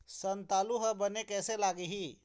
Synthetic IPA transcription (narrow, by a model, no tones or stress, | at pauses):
sənt̪aluɦəbənekɛselaɡiɦi